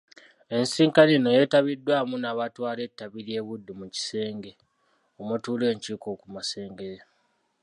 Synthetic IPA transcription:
e̞nsiːŋkaneno̞je̞ːtaβidːwaːmunaβatwaːle̞tːaβiɾje̞ːβudːumuci̥se̞ːŋɡe̞ | omutuːle̞ːɲciːko̞kumase̞ːŋɡeɾe

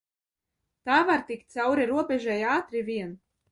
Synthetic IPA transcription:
t̪aːvaɾt̪ikt̪̚ʲt̪sawɾiɾuɔbʲɛʒajaːt̪ɾivʲiɛn

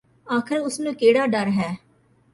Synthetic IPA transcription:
aːkʰəɾʊsnũːkeːɽaːɖəɾɦɛː

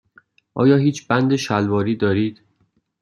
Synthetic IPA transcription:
ʔɒ̰ːjɒːɦiːt͡ʃʰbænd̪e̞ʃælvɒːɾiːd̪ɒːɾiːd̪̥

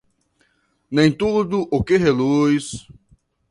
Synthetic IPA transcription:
nẽj̃t̪ud̪ʊʔʊkeɦelujs

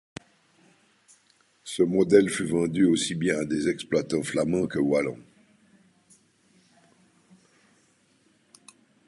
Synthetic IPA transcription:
səmɔd̪ɛlfyvɑ̃d̪yosibjɛ̃ad̪ezɛksplwat̪ɑ̃flamɑ̃kəwalɑ̰̃

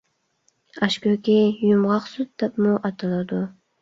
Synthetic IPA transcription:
ɑʃkʲøkʲijymʁɑqsud̪̚d̪ɛpmuʔɑt̪ʰɨlˠɨd̪u

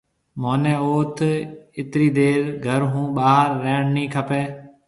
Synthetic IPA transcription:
moːnẽːoːt̪ʰɪt̪ɾiːd̪eːɾɡʱəɾɦũːɓaːɦəɾːeːɳnĩːkʰəpeː

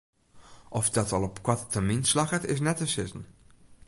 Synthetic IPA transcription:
ʔɔfdɔtɔlˠɔpkwɔtətʰəminslaxətɪs̬nɛtəsɪzən̩

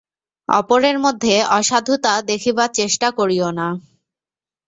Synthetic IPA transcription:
ɔ̰poɾeɾmod̪ʱːeɔʃad̪ʱut̪ad̪ekʰibaɾt͡ɕeʃʈakoɾiona

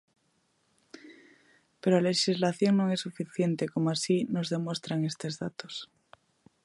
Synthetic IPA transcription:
peɾoale̞ʃizlaθjo̞ŋnoŋesːufiθje̞nt̪e̞ko̞moasino̞zðe̞mwe̞st̪ɾaŋe̞st̪e̞zðat̪o̞s

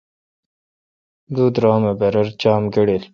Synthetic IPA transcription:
d̪uːd̪ɾɑːmɐbɐɾɐɾt͡ɕaːmɡɐɽel

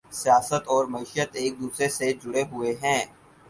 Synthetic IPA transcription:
sijaːsət̪ɔːɾmɐiːʃət̪eːk̚d̪uːsɾesed͡ʒʊɽeɦʊeɦɛ̃ː

